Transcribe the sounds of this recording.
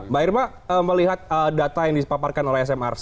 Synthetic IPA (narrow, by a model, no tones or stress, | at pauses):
baɪrma | əːməliɦat̪̚əːdat̪ajaŋdipaparkanolɛhɛs̬ɛmɛ̰rs